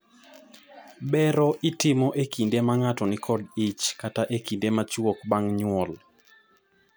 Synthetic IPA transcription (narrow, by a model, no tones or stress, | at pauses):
bɛɾɔʔɪtɪmɔʔekindemaŋatɔnɪkʰɔdɪt͡ʃkataʔekindemat͡ʃwokbaŋɲwɔl